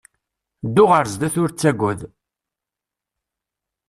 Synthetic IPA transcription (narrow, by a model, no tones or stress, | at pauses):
d̪ːʊʁəɾzd̪æθʊɾt͡sːæɡʷʊð